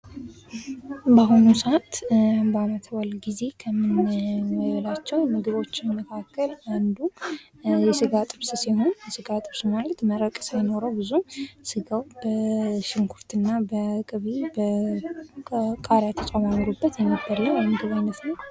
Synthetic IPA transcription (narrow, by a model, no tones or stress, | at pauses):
baɦunusəat̪bəamət̪ʰwalɡize̞kʰəmːɨnməβlat͡ʃːɛwmɨɡɨβo̞t͡ʃːɪnməkʰakːəland̪u | jɛsɨɡat̪ʼɨβsɨsiho̞njɛsɨɡat̪ʼɨβsɨmalət̪məɾəkʼsajno̞ɾəwbɨzusɨɡawb̥əʃɪŋkʰuɾt̪ɨnːabəkʼɨβibə | kʼaɾjat̪ʰət͡ʃʼamamɨɾubːət̪jɛnːəbːəɾləamɨɡɨβajnːət̪nəw